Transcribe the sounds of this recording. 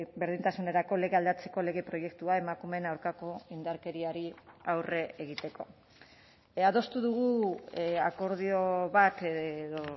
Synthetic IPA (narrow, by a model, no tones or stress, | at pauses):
be̞ɾð̞int̪asune̞ɾako̞le̞ɣe̞ald̪at͡se̞ko̞le̞ɣe̞pɾo̞je̞kt̪uae̞makume̞nawɾkako̞ind̪aɾke̞ɾiaɾiawre̞eɣ̞it̪e̞ko̞̰ | aðo̞st̪uðuɣ̞u | ako̞ɾðio̞βat̪ðo